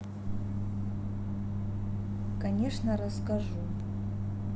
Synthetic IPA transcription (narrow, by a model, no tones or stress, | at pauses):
kɐnʲeʂnɐɾɐskaʐu